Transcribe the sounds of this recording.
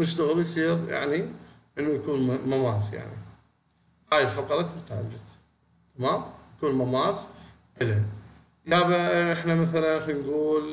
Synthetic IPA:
nɪʃt̪aɣəljsˤiːɾja̰ʕni | ʔənːujakuːnmamaːsja̰ʕnḭ | haːjɪlxɑq̪ɑɾˤɑt̪ɪlt̪aʕa̰d͡ʒat̪ | t̪amaːmjakuːnmamaːs | ʔɪla | jaːbaɪħnamaθalanxanɡuːl

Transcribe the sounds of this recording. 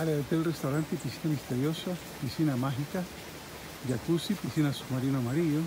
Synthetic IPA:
aleðet̪elrest̪awɾant̪episinamist̪eɾjosa | pisinamaɦika | d͡ʒakusipisinasuɡmaɾinomaɾiʝo

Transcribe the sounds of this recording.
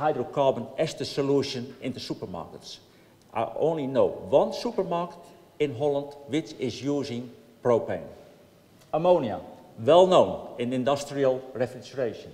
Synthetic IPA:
hajdɹəkʰɑɹbə̃nʔɪsdəsoluʃə̃nɪ̃ndəsupə˞ma̰ɹkəts | ʔa̰ɪʔõ̰nlinoʊwɔ̃nsupəɹmaɹkə̥t | ɪ̃nɦɔlˠə̃ntwɪt͡ʃɪzjuːzɪ̃ŋ | pɹopɛ̃n | amõːnia̰wɛlˠnõʊ̃nɪ̃nɪ̃ndʌstɹiəlˠɹɛfɹɪt͡ʃəɹeʃə̃n

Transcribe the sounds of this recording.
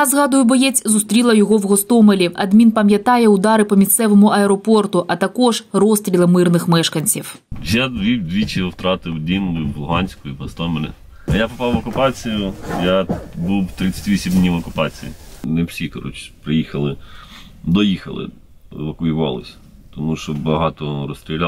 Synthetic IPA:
ɐzɣɑd̪ʊjʊbɔjɛt͡sʲzʊst̪ɾʲilˠɐjɔɦɔwɣɔst̪ɔmelʲiɐd̪mʲinpɐmʲjɐt̪ɑjɛʊd̪ɑɾɪpɔmʲist̪sɛʋɔmʊʔɐɛɾɔpɔrt̪ʊʔɐt̪ɐkɔʒrɔst̪ɾʲilˠɐmɪrnɪxmɛʃkɐnʲt͡sʲiw | jad̪ʋʲid̪ʲʋʲit͡ʃɪwt̪ɾɑt̪ɪwd̪ʲinlˠʊjʊblˠɦɑnʲsʲkʊjiɦɔst̪ɔmelʲɪ̰ | ɐjapɔpɑwʋɔkʊpɑt͡sʲijʊjabuwt̪ɾɪt͡sʲɐ̥tʲʋʲisʲimd̪nʲiʋɔkʊpɑt͡sʲḭjḭnewsʲikɔɾɔ̰t͡ʃpɾɪjixɐlˠɪ | d̪ɔjixɐ̰lˠɪ̰ | ʋɐkʊjɪʋɑ̰lˠɪ̰sʲ | t̪ɔmuʃɔbɐɦɑt̪ɔɾɔsʲt̪ʲɾʲilʲa

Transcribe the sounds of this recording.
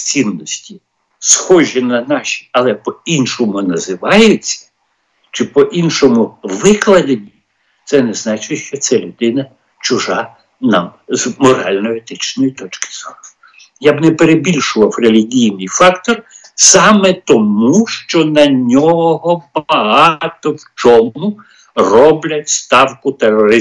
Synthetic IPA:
t͡sʲinːɔsʲtʲi | sxɔʒinɐnɑʃʲi̥ɐlˠɛpɔinʃɔmʊnɐzɪʋɑjʊt͡sʲːɐ̥ | t͡ʃɪpɔʔinʃɔmʊʋɪklˠɐd̪enʲːi | t̪sɛnɛznɑt͡ʃɪʃt͡ʃɔt̪sɛlʲʊd̪ɪnɐ | t͡ʃʊʒɑ | nɑmzmɔɾɑ̰lʲnɔjet̪ɪt͡ʃnɔjit̪ɔt͡ʃkɪ̥z̥ɔrɔ | jabnɛpeɾebʲilʲʃʊʋɐwrelʲiɦʲijnɪjfɑkt̪ɔr | sɑmɛt̪ɔmuʃt͡ʃɔnɐnʲɔɦɔbɐɦɑt̪ɔwt͡ʃɔmʊ | rɔblʲɐtʲst̪ɑwkʊt̪erɔɾɪ

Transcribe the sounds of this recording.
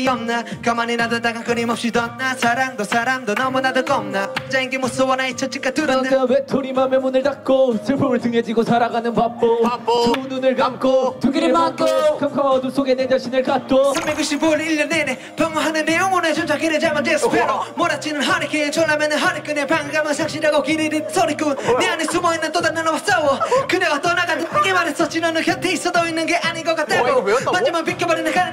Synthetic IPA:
iʌmnakamaninadʌt̪aɡakɯnimʌpɕ͈idʌnːasaɾaŋd̪osaɾaŋdonʌmunad̪ɯkʌmnad͡ʑajiŋkemosɯwʌnait͡ɕʰʌt͡ɕ͈ik͈at̪uawetʰoɾimamemunɯɭtak̚k͈osʰɯɭpʰɯmɯɭtɯŋed͡ʑiɡosʰaɾaɡanɯnpap̚p͈ːoasʰununɯɭkamk͈otuɡokʰɯmkʰaadosʰoɡened͡ʑaɕʰinɯɭkat̚k͈osʰambeɡɯɕ͈ʰiboliʎːʌnene | pjʌŋaɦanɯnːeuŋonet͡ɕond͡ʑʰakiɾed͡ʑamad͡ʑesɯpʰeɾomoɾat͡ɕ͈inɯnɦaɾekeɯnt͡ɕonːamʌnɯnɦaɾek͈ɯnepaŋɯkamɯsʰakɕ͈ʰiɾaɡokiɾiɾisʰʌɾikɯnneanesumʌinːɯnt̪od̪amanabas͈awʌkɯneɡat̪͈ʌnaɡatɯimaɾes͈ʌt͡ɕinʌnɯkʰjʌt̪ʰiːs͈ʌd̪oinːɯnɡeʔaɲinɡʌk͈at͈̚ʰamand͡ʑɯmanpik͈ʰːebaɾinɯnkan

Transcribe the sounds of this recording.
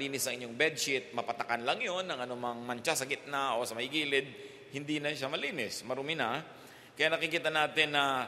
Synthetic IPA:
liːnɪsɐŋʔɪɲːoŋbɛd̪̚ʃɪt̪̚mɐpɐt̪ɐkanlɐŋjonːɐŋɐnʊmaŋmɐnt͡ʃasɐɡɪt̪̚naʔo̞sɐmɐɪɡiːlɪd̪̚ | hɪnd̪inɐʃamɐliːnɪsmɐɾʊmɪna | kɐjanɐkɪkiːt̪ɐnaːt̪ɪnːɐ

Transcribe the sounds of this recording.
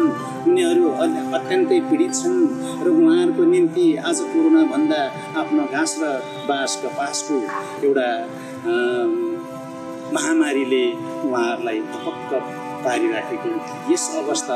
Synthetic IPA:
n | uniʌɾuʌɦʌt̪kankʌjpiɽit̪̚t͡sʰʌn | rʌũɦãɾkonint̪iad͡zʌkoɾonabʱʌnd̪aː | pʰnoɡʱãsrʌ | baskʌpasko | ewʈa | mʌɦamaɾile | uɦãʌɾulajd̪ʌpʌk̚t̪ʌ | paɾiɾakʰekonʰ | jesʌβʌst̪ʰa

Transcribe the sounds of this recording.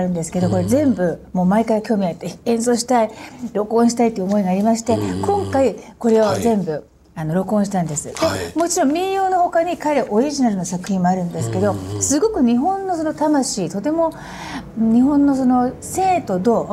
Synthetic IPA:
aɾɯ̟nd̪e̞sɨ̥ke̞d̪o̞ko̞ɾe̞zẽ̞mbɯ̟mo̞ːmaikaiakʲo̞ːmʲiat̪ːeẽ̞ɰ̃so̞ːɕi̥t̪aiɾo̞kõɕ̬i̥t̪ait̪oiɯːomo̞iɡaːɾʲimaɕi̥t̪e̞kõ̞ŋkaiko̞ɾe̞o̞zẽ̞mbɯ̟ | ano̞ɾo̞kõ̞ɕi̥t̪ãnd̪e̞sɨd̪̥e̞mo̞t͡ɕiɾõ̞mːʲĩɰjo̞ːno̞ho̞kaɲ̟ikaɾeʔo̞ɾʲiʑinaɾɯ̟nosakɯ̟çĩmːo̞aɾɯ̟̃nd̪e̞sɨ̥ke̞d̪o̞sɨɡo̞kɯ̟ɲ̟iɦõ̞nːo̞so̞no̞t̪amaɕiːt̪o̞t̪e̞mo̞ | ɲ̟iɦõ̞nːo̞so̞no̞se̞ːt̪o̞d̪oː

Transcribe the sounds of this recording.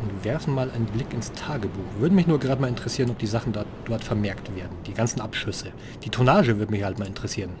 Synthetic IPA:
ʔʊntvɛɐfn̩maːlʔa̰ɪnənblɪkɪnstʰaːɡəbuːxvʏɐdəmɪçnuːɐɡəʁaːdəmaːlɪntəʁɛsiːʁənɔpd̥iːzaχn̩dɔɐtd̥ɔɐtfɛɐmɛɐktv̥eːɐdn̩d̥iːɡant͡sn̩ʔapʃʏsə | d̥iːtʰonaːʒəvʏɐdəmɪçhaltmaːlɪntəʁɛsiːʁən

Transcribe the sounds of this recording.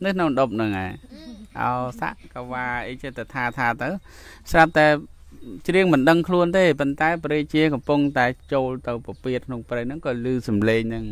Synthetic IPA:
nɨkʰnownɗop̚nɨŋʔa̰ɛʔa̰sa̰ʔkaʋaːʔəːt͡ɕiət̪ət̪ʰaːt̪ʰaːt̪ɨw | srap̚t̪aɛ | t͡ɕriəŋmɨnɗəŋkʰluənt̪eːpont̪aɛpɾeːt͡ɕiəkɑmpuŋt̪aɛt͡ɕoːlt̪ɨwpapiət̪̚kʰnoŋprehnɨŋkɑːlɨːsɑmleːŋnɨŋ

